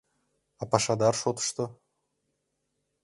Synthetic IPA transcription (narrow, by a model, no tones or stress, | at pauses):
ɑpaʃad̪ɑɾʃot̪ɤ̥ʃt̪ɤ